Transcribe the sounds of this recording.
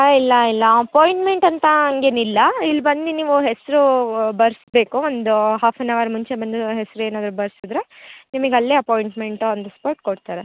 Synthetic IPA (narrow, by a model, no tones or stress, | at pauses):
ilːɐilːɐɐpoːjiɳʈme̞ɳʈɐnt̪ɐɐŋɡeːnilːɐilːbɐnd̪iniːʋuɦesɾubɐɾsbe̞ːkuond̪uɦaːfʰɐnːɐʋɐɾmuɲt͡ʃe̞bɐnd̪uɦesɾue̞ːnaːd̪ɾubɐɾsid̪ɾe̞nimɐɡeɐlːiɐpoːjiɳʈme̞ɳʈuond̪uspoːɾʈ̚koɽt̪aːɾe